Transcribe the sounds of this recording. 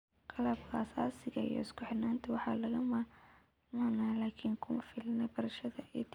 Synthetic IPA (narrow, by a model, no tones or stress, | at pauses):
qɑlɐbkʰaːsa̰ːsɪɣɐḭjɔ̰ɪskʰʊħɪnaːnt̪ʰɐwɑħɑːlɐɣɐmɐ | mɔnaːlaːkʰiːŋkʰʊmɐfɪlɐnɐbɐɾɐʃɐðɐɪ̰t̪ʰ